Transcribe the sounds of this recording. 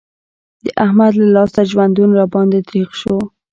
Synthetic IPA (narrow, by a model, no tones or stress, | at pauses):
d̪əʔahmad̪lalɑst̪aʒwand̪unɾɑbɑnd̪et̪ɾixʃo